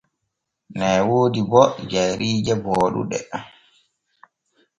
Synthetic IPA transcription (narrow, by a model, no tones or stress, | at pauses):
nɛːwoːdibɔd͡ʒajɾiːd͡ʒɛbɔːɗṵɗɛ̰